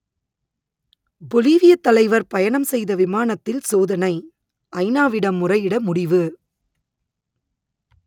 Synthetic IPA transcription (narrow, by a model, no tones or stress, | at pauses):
bɔliːʋɪjɐt̪ːɐlɐɪʋɐɾpɐjɐɳɐmsɛjðɐʋɪmaːɳɐt̪ːɪlsoːðɐnɐɪ | ʔɐɪnaːʋɪɽɐmːʊrɐɪɪɽɐmʊɽɪʋɯ